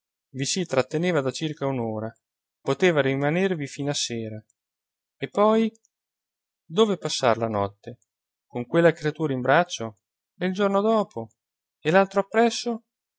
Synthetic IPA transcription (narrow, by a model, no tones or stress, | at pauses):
visit̪ɾat̪ːeneːvad̪at͡ʃirkaunoːɾa | pot̪eːvaɾimanervifiːnaseːɾa | epːɔj | d̪oːvepasːa̰rlanɔt̪ːe | koŋkwelːakɾeat̪uːɾaimbɾat͡ʃːo | eild͡ʒornod̪ɔːpʰo | elalt̪ɾoapːɾɛsːo